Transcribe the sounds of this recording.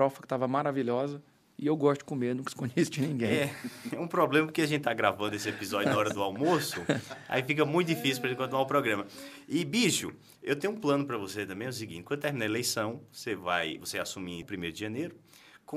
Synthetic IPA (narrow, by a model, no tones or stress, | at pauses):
ɾɔfɐkɪ̥t̪avɐmaɾaviʎɔzɐ | ɪewɡɔʃt̪ʊd̪ɪ̥kõmenũkɪ̥skõd͡ʒist͡ʃinĩɡẽɛɛũpɾɔblẽmɐp̬oɾkeaʒẽt̪ɪt̪aɡɾavɐ̃nd̪ʊesɪepizɔd͡ʒʊnɐaɔɾɐd̪ʊawmosʊa̰ifikɐmũj̃t̪d͡ʒifisiupɾɐẽkɐ̃t̪ñɛwpɾɔɡɾɐ̃mɐ | ɪbiʃʊ̰ | ewt̪ẽɲũplɐ̃nʊpɾɐvoset̪ɐ̃bẽɛʊs̬iɡĩt͡ʃt͡ʃkwɐ̃d̪ʊt̪eɾminelejsɐ̃w̃voseva̰jvoseasũmipɾimeɾʊd̪ɪʒɐ̃neɾʊ | kõ